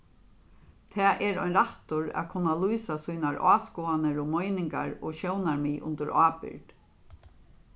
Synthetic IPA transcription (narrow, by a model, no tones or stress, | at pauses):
t̪ʰɛːʔɛɾɔjnɾaht̪ʊɾa̰kʰʊnːalujsasujnaɹʔɑːskuːanəɾɔmɔjnɪŋka̰ɹɔːʃɔwnaɹmiːʔʊ̰nt̪əɾaːpɪ̰ɹt̪